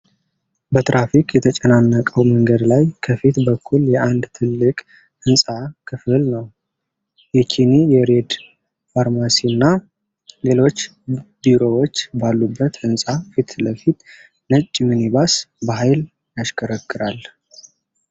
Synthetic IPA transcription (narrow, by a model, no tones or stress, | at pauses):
bət̪ɾafikʰjɛt̪ʰət͡ʃʼɛnanːəkʼəwməŋɡəd̪lajkʰəfit̪bəkʰːuljɛʔand̪t̪ʰɨlːɨkʼ | ɨnsʼakʰɨfɨlnəw | jɛkʰinijɛɾe̞d̪ | faɾmasinːa | le̞lo̞t͡ʃː | biɾo̞wot͡ʃːbalːubːət̪ɨnsʼafit̪ləfit̪ | nət͡ʃʼːmɨnibasbəɦajl | jaʃkʰəɾəkʰːɨɾal